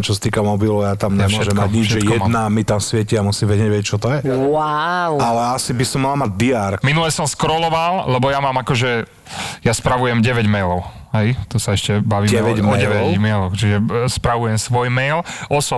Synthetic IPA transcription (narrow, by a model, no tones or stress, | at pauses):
t͡ʃɔsḁt̪iːkamɔbilɔʊjat̪amɲɛmɔʒɛmmaɟɲid͡ʒʒɛjɛd̪namit̪amsʋɛciamusimʋɛɟɛʋɛɛct͡ʃɔt̪ɔjɛwawalɛasibisɔmːalamaɟ̚d̪iaɾminulɛsɔmskɾɔlɔʋalˠlɛbɔjamaːmakɔʒɛ | jaspɾaʋujɛmɟɛʋɛɟmɛjlɔʊ | ɦɛjt̪ɔsaɛʃcɛbaʋiːɛʋɛɟmɔɟɛʋɛmɛlɔxt͡ʃiʒɛspɾaʋujɛmsʋɔjmɛjlʔɔsɔ